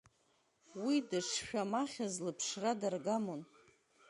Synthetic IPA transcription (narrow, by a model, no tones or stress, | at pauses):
widɨʂʰʃᶣamaχʲazlɨpʰʂradarɡamon